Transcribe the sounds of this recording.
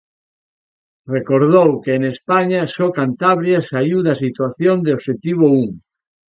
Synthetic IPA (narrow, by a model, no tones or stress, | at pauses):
rekoɾðowkeːnespaɲasokant̪aβɾjasaiwðasit̪waθjond̪eoʃet̪iβ̞ouŋ